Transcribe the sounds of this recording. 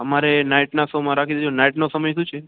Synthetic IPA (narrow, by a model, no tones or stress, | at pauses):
ɦəmaɾenaiʈnasõmãɾakʰid̪d͡ʒonaiʈnosəməjʃũt͡ʃʰe